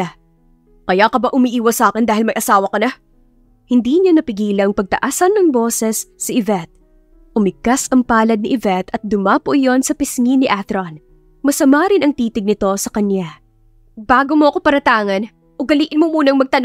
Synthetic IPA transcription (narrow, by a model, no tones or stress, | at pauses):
kɐjakɐbaʔʊmiʔiːwɐsaːkɪnd̪aːhɪlmɐjʔɐsaːwɐkɐnɐ | hɪnd̪iːɲanɐpɪɡiːlɐŋpɐɡ̚t̪ɐ̰ʔaːsɐnːɐŋbo̞ːsɛsːɐʔɪvɛt̪̚ | ʔʊmɪkasɐŋpaːlɐd̪̚nɪʔɪvɛt̪ɐt̪̚d̪ʊmapʊʔjo̞nsɐpɪsŋinɪʔaθɾon | mɐsɐmaɾɪnɐŋt̪iːt̪ɪɡ̚nɪt̪o̞sɐkɐnja | b̥aːɡomoɐkopɐɾɐt̪aːŋɐn | ʔʊɡɐliːʔɪnmomuːnɐŋmɐɡ̚t̪ɐn